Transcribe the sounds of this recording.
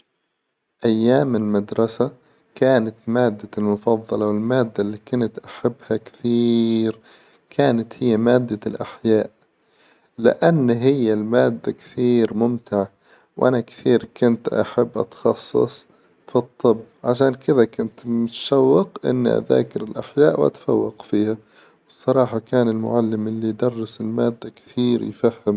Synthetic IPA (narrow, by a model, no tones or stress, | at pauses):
ʔajːaːmɪlmad̪ɾˤɑsa | kaːnat̪maːd̪ːalmʊfɑðˤːɑlɑwɪlmaːd̪ːalːiːkʊnt̪ʔaħabːhakθiːɾ | kʰaːnat̪hɪjːamaːd̪ːalʔaħjaːʔ | lɪ̰ʔanːɦɪjːalmaːd̪ːakθiːɾmʊmt̪ɪʕa | wʔa̰nakθiːɾkʊnt̪ʔa̰ħabːʔɑ̰t̪xɑsˤːɨ̰sˤ | fit̪ˤːɨbːʕaʃaːnkɪðakʊnt̪mʊt̪ʃawːɪqʔɪ̰nːḭʔa̰ða̰ːkɪɾɪlʔaħjaːʔwʔa̰t̪fawːɑqfiːha | wsˤːɑɾˤɑːħɑkaːnɪlmʊ̰ʕalːɪmʔɪlːid̪ɑrˤːɪsɪlmaːd̪ːakθiːɾjfahːɪm